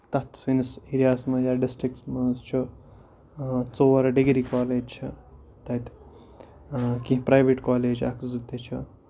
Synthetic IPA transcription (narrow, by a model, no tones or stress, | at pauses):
t̪ɐt̪sinisiɾijaːsmɐjaːɖisʈɾiksmɐnzt͡ʃʰu | t͡soːɐɾɐɖiɡɾikaːleːd͡ʒt͡ʃʰɐ | t̪ɐt̪ | kĩɦpɾajʋeʈkaːleːd͡ʒɐ̰kzut̪ːet͡ʃʰu